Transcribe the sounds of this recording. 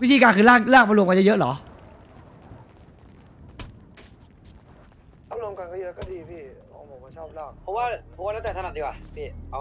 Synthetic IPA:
wi˦˥t̪ʰiː˧kaː˧kʰɯː˧˩laː˥˩laː˥˩kma˧lu˧mka˧˨jə˦˥jɤ˦˥ʔlɔː˩˦ | a˧˥˩lu˧əmka˧nkɔː˥˩jɤ˦˥kɔː˥˩diː˧pʰiː˧˩ | o˧˩pʰo˨˩˦kɔː˥˩t͡ɕʰɔː˥˩p̚laː˧˩pʰɔ˨˧˦waː˥˩pʰɔ˨˩˦waː˥˩na˥˩tɛː˨˩a˧a˨˩di˧wa˨˩pʰiː˧˩ʔa˧

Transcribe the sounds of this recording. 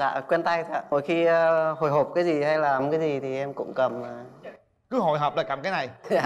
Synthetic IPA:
za̰ː˧˨kwɛ˧nt̪a˧jt̪ʰa̰˧˩mo̰˧˩jxi˧ə˧ho̰˨˩jɦo˨˩p̚kaː˨˦jzi˨˩ha˧jlaː˨˩kaː˨˦jzi˨˩t̪ʰi˨˩ʔɛ˧mkʊ̰˧˥ŋ͡mkə˨˩maː˨˩ | kɨ˨˦ɦɔ˧˩jɦɔː˨˩p̚laː˨˩kaː˧˩mkaː˨˦jna˨˩jaː˧˩

